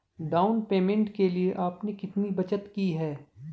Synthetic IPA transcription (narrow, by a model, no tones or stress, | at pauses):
ɖaːʊnpeːmẽɳʈkelieʔaːpnekɪt̪nibɐt͡ʃət̪kiɦɛː